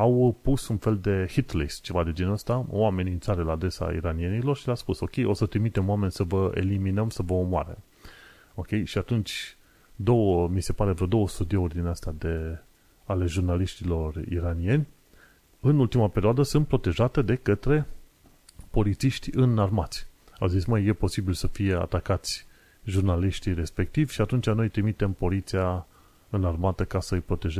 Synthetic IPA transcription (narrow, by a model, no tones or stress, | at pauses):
awpusunfe̞ld̪e̞hit̪lest͡ʃe̞vad̪e̞d͡ʒenəst̪awame̞nʲint̪saɾelaːd̪ɾe̞sa̰ḭɾanie̞nilo̞rʃilaspuso̞kʲe̞jʔo̞sət̪ɾimit̪e̞moame̞nʲsəvəḛliminəmsəvəomoa̰ɾḛ | o̞kʲe̞jʃiat̪unt͡ʃʲ | d̪o̞wəmise̞paɾevɾod̪o̞wəst̪ud̪ioorʲd̪ineəst̪ad̪e̞ | ale̞ʒurnaliʃt̪ilo̞rḭɾanije̞nʲ | ɨnult̪imapeɾioad̪əsɨnt̪̚pɾo̞t̪e̞ʒat̪e̞d̪e̞kət̪ɾe̞ | po̞lit̪siʃt̪ʲɨnarmat̪sʲa̰wzitsʲməjje̞po̞sibilsəfije̞a̰t̪akat̪sʲ | ʒurnaliʃt̪iɾe̞spe̞k̚t̪ivʲʃiat̪unt͡ʃano̞jt̪ɾimit̪e̞mpo̞lit̪sia | ɨnarmat̪əkasəɨjpɾo̞t̪e̞ʒe